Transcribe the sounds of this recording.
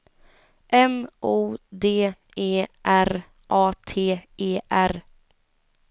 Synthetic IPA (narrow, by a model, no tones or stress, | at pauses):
ʔɛmʔuːd̪eː | eːʔæɾ | ʔɑːt̪ʰeːeːʔæɾ